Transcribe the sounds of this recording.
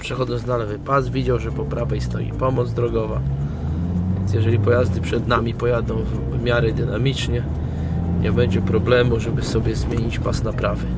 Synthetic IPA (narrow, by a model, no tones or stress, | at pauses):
pʂɛxɔd̪ɔnznalɛvɘpasvʲjid͡ʑawʐɛpɔpɾavaist̪nɔ̰jḭpɔmɔd̪zd̪ɾɔɡɔva | vʲjɛnt̪sjɛʐɛlʲipɔjazd̪ɘpʂɛd̪namʲipɔjad̪ɔ̃w̃ | vmʲjaɾɛd̪ɘnamʲit͡ʂɲɛ | ɲʔɛbɛɲd͡ʑɛpɾɔblɛmuʐɛbɘsɔbʲjɛzmʲjeɲit͡ɕpasnapɾavɛ